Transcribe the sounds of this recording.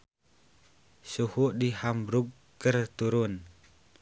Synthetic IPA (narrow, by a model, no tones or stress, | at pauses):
suhuʔdihambɾuɡ | kərt̪uɾun